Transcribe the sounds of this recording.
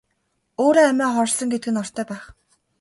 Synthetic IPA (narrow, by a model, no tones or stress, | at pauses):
oːɾeːæmæːχɔrsɞ̆ŋɡet̪ɡɘ̆nɔr̥t̪ʰœːpæːχ